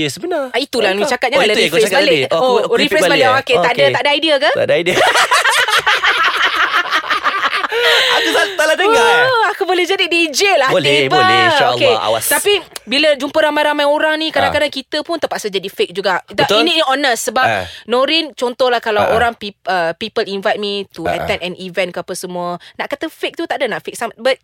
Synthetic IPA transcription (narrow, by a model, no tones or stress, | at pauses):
jəsəbənarait̪ulaluit͡ʃakat̪̚ɲaadaɾifɛbaleoɾifɾɛssbalewaket̪dət̪aʔdaaidiəkat̪a̰dəaidiə | akut̪aladəaakubolehd͡ʒadidiːd͡ʒelabəolkea̰wa̰t̪apibiləd͡ʒumpəɾamãjɾamajoɾaŋnĩkadãŋkadaŋkit̪əpʊnt̪əpaʔsəd͡ʒadifek̚d͡ʒuɡad̪ainiɔnəsːəbanõɾint͡ʃɔnt̪ɔhlahkalawʔoɾaŋpiəpipəlinvajt̚mit̪uə̰t̪ɛ̃ndɛnivɛ̃nkapəsəmũənaʔkat̪əfek̚t̪ut̪aʔdanaʔfek̚sambat̪̚